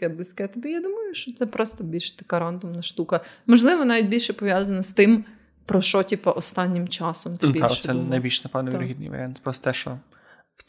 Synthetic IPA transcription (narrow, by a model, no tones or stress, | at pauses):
ɛblˠɪsʲkɛt̪ɔbʲijad̪umɐjʊʃt͡ʃɔt̪sɛpɾɔst̪ɔbʲilʲʃt̪ɐkɑɾɑnd̪ʊmnɐʃt̪ukɐmɔʒlˠɪʋɔnɑʋʲit̚ʲbʲilʲʃɛpɔʋʲjazɐnɐst̪ɪm | pɾɔʃɔtʲipɐʔɔst̪ɑnʲːɪmt͡ʃɑsɔmt̪ɪbd̪aʃsɛnɐjbʲilʲʃnɐpɛwnɐʋʲiɾɔɦid̪nɪ̰jʋɐ̰ɾ̰ʲant̪pɾɔst̪ɛʃt͡ʃɔ